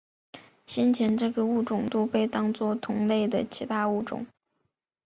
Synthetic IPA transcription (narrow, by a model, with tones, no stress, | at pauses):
ɕɛ˥nt͡ɕʰjɛ˧˥nʈ͡ʂɤ˥˩ɡə˨u˥˩ʈ͡ʂʊ˨˩ŋt̪u˥˧pe˥˩ɪt̪ɑ˥ŋt͡swɔ˥˩t̪ʰʊ˧˥ŋle˥˩ɪd̪ə˩t͡ɕʰi˧˥t̪ʰa˥u˥˩ʈ͡ʂʊ̰˨˩˦ŋ